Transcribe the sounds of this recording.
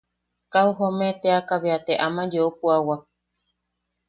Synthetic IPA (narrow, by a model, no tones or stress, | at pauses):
kauɦomet̪eakaβeat̪eʔamãd͡ʒeopuawa